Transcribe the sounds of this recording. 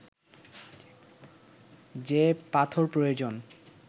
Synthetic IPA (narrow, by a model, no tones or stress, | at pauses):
d͡ʑepat̪ʰoɾpɾojod͡ʑon